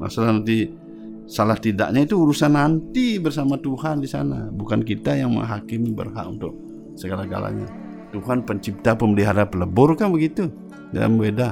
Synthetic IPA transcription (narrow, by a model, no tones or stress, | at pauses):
ma̰salahnant̪i | salaht̪ida̰ʔɲait̪uːɾusanːant̪ibərsamat̪uhandisa̰nabukankit̪ajaŋmə̰ŋɦakɪmbə̰rɦa̰ʔunt̪ʊk̚ | səɡalaɡa̰la̰ɲa̰ | t̪uɦanpəɲt͡ʃip̚t̪apəmbəliɦaɾapələbʊrkanbəɡit̪u | da̰la̰mbeda